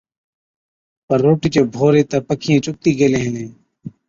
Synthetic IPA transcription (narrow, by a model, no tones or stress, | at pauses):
pəɾːoːʈiːt͡ʃẽːbʱoːɾeːt̪ɐpəkʰijẽːt͡ʃʊk̚t̪iːɡeːlẽːɦnẽː